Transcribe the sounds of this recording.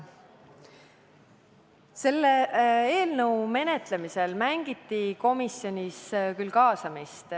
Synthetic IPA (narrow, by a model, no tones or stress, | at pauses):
se̞lːeeːlnɤwme̞ne̞t̪le̞mise̞lmæŋɡ̥it̪ːiko̞misjo̞nʲiskylkɑːsɑmist̪